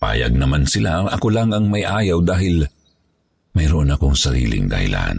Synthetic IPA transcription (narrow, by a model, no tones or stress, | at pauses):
pa̰ːjɐ̰ɡ̚nɐmansɪlaʔɐkolaŋɐŋmɐjʔaːjɐwd̪aːhɪl | mɐjɾoʔonɐkoŋsɐɾḭːlɪ̰ŋd̪ɐ̰hɪ̰lʔa̰n